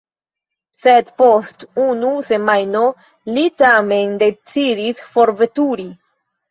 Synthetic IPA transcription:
sed̪postunuse̞majno | litame̞nde̞t͡sidisfo̞ɾve̞tuɾi

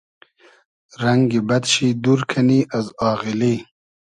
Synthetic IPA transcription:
ɾaŋɡibɐd̪ɕid̪uɾkʰaniʔazɑːʁili

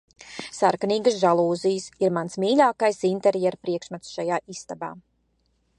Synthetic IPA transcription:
saɾkaniːɡəsʒalˠuːzijəsiɾmansmiːlʲaːkajsint̪ɛɾjɛɾpɾiɛkʃmat̪sʃajaːist̪aba̰ː

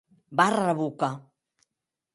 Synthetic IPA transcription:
baraβuka

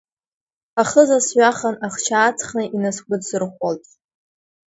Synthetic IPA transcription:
aχəzasɥʷaχanaχt͡ʃʰaːt͡sʰχnaʔinaskʷʼʊdsɨrχʷoltʼ

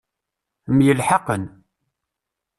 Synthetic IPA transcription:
mjəlħɑqən

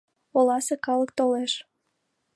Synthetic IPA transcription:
olɑsekɑlək̚t̪oleʃ

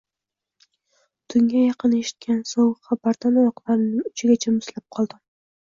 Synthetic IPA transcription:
t̪ʰʊŋɡʲajɑqɨne̞ʃɪ̥t̪̚kʲansowχabaɾt̪ʰanajɒqlˠaɾɪnɪŋʊt͡ʃʰɪɡʲat͡ʃʰamʊslap̚qʰɒlˠd̪ɪm

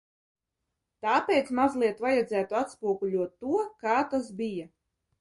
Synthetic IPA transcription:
t̪aːpejt̪smazlˠiɛt̪vajad̪zæːt̪uat̪spuɔɡulʲuɔt̪ːuɔkaːt̪asbija

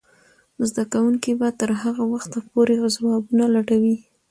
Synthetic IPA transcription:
zd̪akawuŋkibat̪əɾɦaɣawaxt̪apoɾezawɑbunalaɽawi

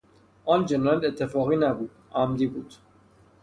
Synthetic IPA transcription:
ʔɒːnd͡ʒenjæd̪et̪ʰːefɒːɣiːnæbuːd̪̥ʔæmd̪iːbuːd̪̥

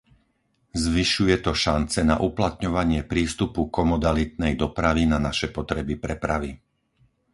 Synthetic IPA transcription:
zʋiʃujɛt̪ɔʃant͡sɛnaʔuplat̪ɲɔʋaɲɪɛpɾiːst̪upukɔmɔd̪alit̪̚nɛjd̪ɔpɾaʋinanaʃɛpɔt̪ɾɛbipɾɛpɾaʋi

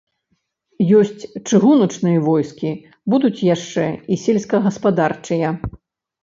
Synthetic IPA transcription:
jɔsʲt͡sʲt͡ʂɨɣunɐt͡ʂnɨjɐvɔjskʲi | bud̪ut͡sʲjaʂt͡ʂɛisʲɛlʲsʲkɐɣɐspad̪art͡ʂɨjɐ

